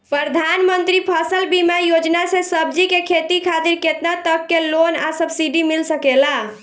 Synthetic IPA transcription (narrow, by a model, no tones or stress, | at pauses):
pɾəd̪ʱanmənt̪ɾipʰəsəlbimajod͡ʒnasẽsəbd͡ʒikekʰet̪ikʰat̪iɾket̪nat̪əkːelona̰səbsiɖimilsəkela